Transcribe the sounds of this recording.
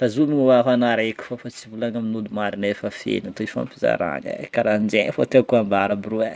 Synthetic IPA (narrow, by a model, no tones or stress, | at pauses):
fazumiɲwaɦanaɾekʲu̥fofat͡sivulaŋaminulumaɾinefəfḛnat̪oifa̰mpiza̰ɾa̰ɲa̰kaɾand͡ʒeɲfot̪ekuambaɾabuɾue